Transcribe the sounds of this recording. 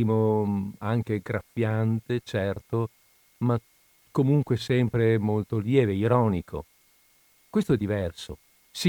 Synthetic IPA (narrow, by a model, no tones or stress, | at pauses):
iːmoaŋk̟eɡɾafjant̪et͡ʃɛrt̪o | ma | kːomuŋkwesɛmpɾemolt̪oljɛːveiɾɔːnikʰo̰ | kwest̪oɛd̪ːivɛrso̰ | si